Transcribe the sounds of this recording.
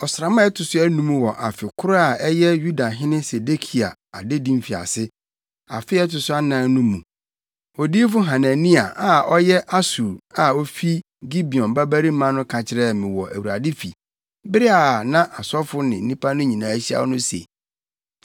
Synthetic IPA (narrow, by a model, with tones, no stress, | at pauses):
ɔ˨sɾa˨mã˦ɛ˦tʰʊ˨sʊ˦æ˦nũ˦m̃˦wɔ˨ʔa˨fɪ˨kʰʊ˦ɾʊ˦a˨ɛ˦jɛ˦ju˦da˨ɦɪ̃˦nɪ̃˦se˨de˦kʰi˨a̰˨ | a˨dɪ˦dĩ˦m˦fi˨a̰˨sɪ˦ | a̰˨fɪ˦ɛ˦tʊ˨sʊ˦a˦nã˦n˦nũ˦mũ˨ | o˨diː˦f̬ʊ˦ɦã˨nã˨nĩ˦a˨ʔa˨ɔ˦jɛ˦ʔa˦su˨a˨ɔ˦fi˦ | ɡi˦bi˨ɔ̃˨mba˦bæ˦ɾi˦mã˦nʊ̃˦kʰã˨t͡ɕʰɪ˦ɾɛ˦˨mɪ̃˨wɔ˨ʔæ̰˨wu˨ɾa˨dɪ˦fi˨ | bɪ˦ɾɪ˦a˨nã˦ʔa˨sɔ˦fʊ˦nɪ̃˨n̩˦nĩ˦pʰa˦nʊ̃˦ɲĩ˨nãː˨æ˦ɕi˦a̰˦˨˦nʊ̃˦sḛ˨